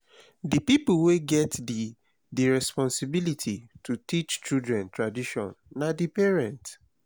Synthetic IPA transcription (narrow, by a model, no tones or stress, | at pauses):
dipipulweɡɛt | diɹɛspɔ̃nsibilitʰitutit͡ʃt͡ʃidɹɛ̃ntɹadiʃɔ̰̃nːadipɛɹɛ̃nt